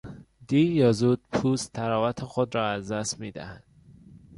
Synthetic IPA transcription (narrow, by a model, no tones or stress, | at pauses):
d̪̥ijɒːzuːd̪̥̚pʰuːst̪ʰæɾɒːvæt̪ʰexod̪ɾɒːæzd̪æsmiːd̪æ̰hænd̪̥